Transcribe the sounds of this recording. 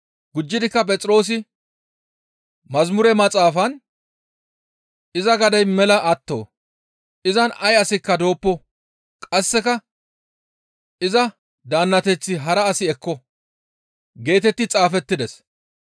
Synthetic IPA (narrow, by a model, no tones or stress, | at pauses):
ɡʊd͡ʒːɪd̪ɪkːɐp̬ʼɛt͡sʼɾo̞ːs̬ɪ | mɐzmʊɾɛmɐt͡sʼaːfɐn | ɪzɐɡɐd̪ɐjmɛlɐʔɐt̪ːo̰ː | ɪzɐnɐjɐsɪkːɐd̪o̞ːpːɔ | kʼɐsːɛkɐ | ɪzɐ | d̪aːnːɐt̪ɛt͡sːɪɦɐɾɐːsɪɛkːɔ | ɡe̞ːt̪ɛt̪ːɪt͡sʼaːfɛt̪ːɪd̪ɛs